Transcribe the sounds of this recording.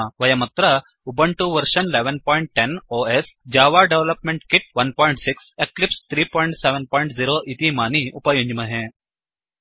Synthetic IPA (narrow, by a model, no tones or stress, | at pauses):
ʋəjamət̪ɾə | ubəɳʈuʋəɾɕənleʋənpɔ̃jɳʈ̚ʈenoesd͡ʑaʋaɖeʋləpmẽɳʈkiʈ̚ʋənpɔiɳʈsikseklipst̪ʰɾiːpɔiɳʈseʋənpɔjɳʈd͡ziɾoʔit̪imaniupajuɲd͡ʑməɦẽ